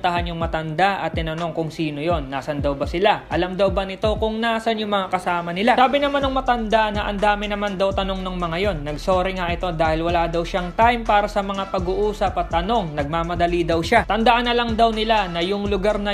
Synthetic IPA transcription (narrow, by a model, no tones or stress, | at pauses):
t̪ɐɦanjʊŋmɐt̪ɐnd̪aʔʔɐt̪ːɪnɐno̞ŋkʊŋsiːno̞jo̞nːaːsɐnd̪ɐwbɐsɪlaʔɐlamd̪ɐwbɐnɪt̪o̞kʊŋnaːsɐnjʊŋmɐŋakɐsaːmɐnɪlasaːbɪnɐmanɐŋmɐt̪ɐnd̪anɐʔɐnd̪aːmɪnɐmand̪ɐwt̪ɐno̞ŋnɐŋmɐŋajo̞nːɐɡso̞ːɾɪŋaʔɪt̪o̞d̪aːhɪlwɐlaːd̪ɐwʃaŋt̪ajmpaːɾɐsɐmɐŋapɐɡʊʔuːsɐpɐt̪ːɐno̞ŋnɐɡ̚mamɐd̪ɐlid̪ɐwʃat̪ɐnd̪ɐʔanɐlɐŋd̪ɐwnɪlanɐjʊŋlʊɡaɾnɐ